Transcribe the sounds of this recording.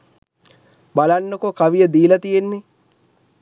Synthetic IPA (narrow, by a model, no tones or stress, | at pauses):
balanːəkokaʋijəd̪iːlɐt̪ijenːɪ